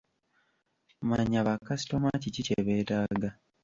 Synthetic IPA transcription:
maɲaβakasi̥to̞maciciceβe̞ːtaːɡa

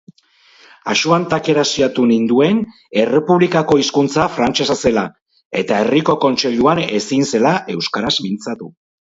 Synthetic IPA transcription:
aʃuant̪ake̞ɾasiat̪unind̪ue̞n | e̞re̞puβlikako̞iskunt͡safɾant͡ʃe̞sase̞la | e̞t̪ae̞riko̞ko̞nt͡ʃe̞ʎuane̞sinse̞laʔe̞wskaɾazmint͡sat̪u

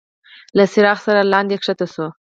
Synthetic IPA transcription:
lasɪɾɑxsaɾalɑnd̪ekʂat̪aso

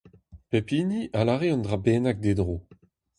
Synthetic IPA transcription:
pepiːniʔalaʁeɑ̃ndʁabeːnak̚d̪ed̪ʁoː

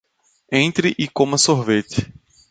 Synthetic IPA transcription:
ẽnt̪ɾɪʔɪkõmɐsoɦvet̪ɪ̥

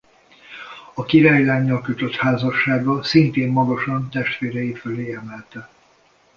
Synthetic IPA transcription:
ɒkiɾaːjlaːɲːɒlkøt̪ø̞t̪haːzɒʃːaːɡɒsint̪eːmːɒɡɒʃɒnt̪ɛʃt̪ʋeːɾɛjiføleːɛmɛlt̪ɛ

